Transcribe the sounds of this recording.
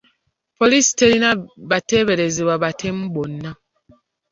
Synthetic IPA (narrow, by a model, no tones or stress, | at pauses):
polisi̥teɾinaβateβe̞ɾe̞zeβwaβatʰem̩bonːa